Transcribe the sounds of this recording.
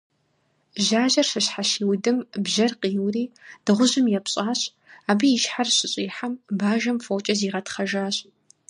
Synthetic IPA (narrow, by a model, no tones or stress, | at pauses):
ʒaːʒɐrʂɨɕħaʃiːwdɨmbʒɐrqiːwriːd̥ɨʁʷʊʑɨmjɛpɕʼaːɕ | aːbijɪʃħarɕɪɕʼiːħambaːʒɐmfowt͡ʃʼɐziːʁɐtχɐʒaːɕʼ